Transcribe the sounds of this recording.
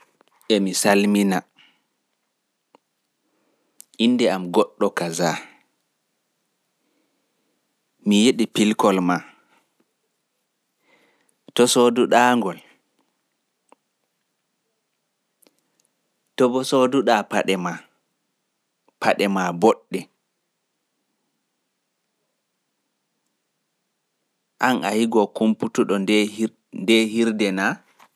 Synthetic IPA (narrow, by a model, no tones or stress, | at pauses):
ʔɛmisalmina | ʔinːdɛamɡɔɗːɔkaza | mijeɗipilkɔlma | tɔsoduɗaːŋɡɔl | tɔbɔsoduɗapaɗɛma | pʰaɗɛmaboɗːɛ | ʔanʔa̰hiɡɔkumputuɗɔ | ndɛhiɾdɛna